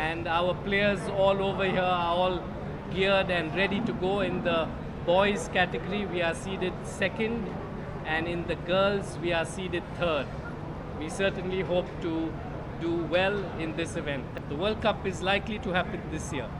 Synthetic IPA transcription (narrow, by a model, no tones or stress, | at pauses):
æ̃nɖaʊəpleːəɾzɔːloːʋəhiəaɔːl | ɡɪɖæ̃nɾɛɖiʈuɡoːɪ̃nd̪ə | bɔɪzkæʈɪɡəɾiʋiːasiːɾɪd̚sɛkə̃nɖ | æ̃nɪ̃nd̪əɡəːlzʋiːasiːdɪd̚t̪ʰəːd | ʋiːsəːʈə̃nliɦoːp̚ʈu | ɖuwɛlɪ̃nd̪ɪsɪʋɛ̃nʈ̚dd̪əʋəːlɖ̚kʌpɪzlaɪkliʈuhæpɪ̃nd̪ɪsjiə